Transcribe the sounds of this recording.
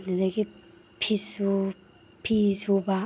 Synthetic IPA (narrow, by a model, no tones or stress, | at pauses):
ninaɡi | pʰisu | pʰisuba